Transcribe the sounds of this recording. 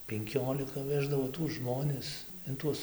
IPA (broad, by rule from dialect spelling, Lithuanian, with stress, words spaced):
pʲɛŋʲˈkʲoːlʲɪkɐ ˈʋʲæːʒdɐʋoː tuɔs ˈʒmoːnʲɪs ɪn ˈtuɔs